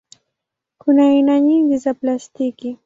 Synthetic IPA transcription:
kʊnajnaɲiŋɡ̪ɪzaplast̪ikɪ

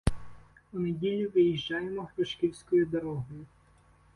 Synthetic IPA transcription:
ʊnedʲilʲːʊʋɪjiʒd͡ʒɑjemɔxɾɔʃkʲiwʲsʲkɔjid̪ɐɾɔɦɔjʊ

